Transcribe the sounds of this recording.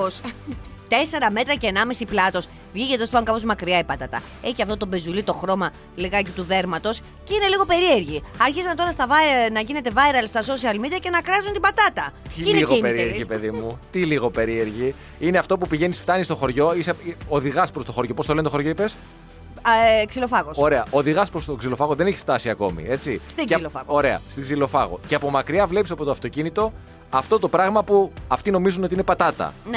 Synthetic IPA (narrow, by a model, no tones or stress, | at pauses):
ost̪e̞se̞ɾɐme̞t̪ɾɐceːnɐmesiplɐt̪o̞s | vʝicespɐuŋkɐpo̞zmɐkɾiɐipɐt̪ɐt̪ɐ̰ | e̞çiɐft̪o̞t̪o̞be̞zulit̪o̞xɾo̞mɐ | liɣɐcit̪uðe̞ɾmɐt̪o̞s | ceine̞liɣo̞pe̞ɾie̞ɾʝiɐɾçisɐnt̪o̞ɾɐst̪ɐvɐnɐʝine̞t̪e̞vɐeɾɐlst̪ɐso̞siɐlmid̪iɐce̞nɐkɾɐzunt̪ibɐt̪ɐt̪ɐinneiɣopeɾieɾʝipeðimut̪iliɣo̞pe̞ɾie̞ɾʝi | ine̞ɐft̪o̞pupiʝe̞nisft̪ɐnist̪o̞xo̞ɾʝo̞iseoðiɣɐspɾo̞st̪o̞xo̞ɾʝo̞pot̪oent̪ooɾʝoipes | ksilofɐɣoso̞ɾe̞ɐo̞ðiɣɐspɾost̪o̞ɡzilo̞fɐɣoðene̞çisft̪ɐsiɐko̞̰mḭe̞t͡sisiɐo̞ɾe̞ɐ̰st̪iɡzilo̞fɐɣo̞̰ceɐpo̞mɐkɾiɐvle̞pisɐpo̞t̪oɐft̪o̞cinit̪o̞ | ɐft̪o̞t̪o̞pɾɐɣmɐpuɐft̪ino̞mizuno̞t̪iine̞pɐt̪ɐt̪ɐ̰n